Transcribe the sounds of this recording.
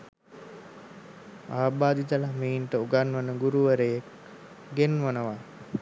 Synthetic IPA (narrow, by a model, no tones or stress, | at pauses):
aːbaːd̪it̪əlameinʈəuɡanʋənəɡuɾuʋəɾəjek | ɡenʋənəʋa